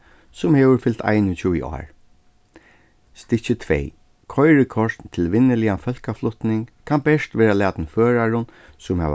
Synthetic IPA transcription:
sʊmheːʋʏɾfɪlt̪ʰa̰jnʊt͡ɕʰuːḭʔɔ̰ːɹ | st̪ɪt͡ɕɪt̪ʰʋɛ̰j | kʰɔjɹɪkʰɔʂt̪nt̪ʰɪlʋɪnːɪlɪjafœl̥kaflʊht̪nɪŋkʰanbɛʂt̪ʋɛːɾalæːt̪nføːɾaɹʊn | sʊmhɛ̰ʋ

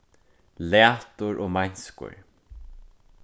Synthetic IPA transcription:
laːt̪ʊɹʔoːmajɲskʊ̰ɹ

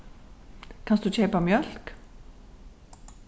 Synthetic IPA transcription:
kʰɑnsd̪ʉt͡ɕʰeːpamjœl̥k

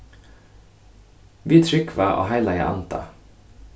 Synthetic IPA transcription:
ʋiːt̪ʰɾʏkʰʋæːʔo̰ːhæɪlɑjæ̰ʔɑ̰nt̪ʰə̰

